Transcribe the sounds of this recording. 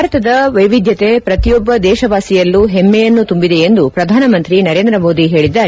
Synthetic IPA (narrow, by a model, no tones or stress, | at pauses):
ɾɐt̪ɐd̪ɐʋɐjʋid̪ʱjɐt̪e̞pɾɐt̪ijɔbːɐd̪ɛːʃɐʋaːsijɐlːuɦemːɛjɐnːut̪umbid̪e̞end̪upɾɐd̪ʱaːnɐmɐnt̪ɾinɐɾeːnd̪ɾɐmo̞ːd̪iɦe̞ːɭid̪ːaː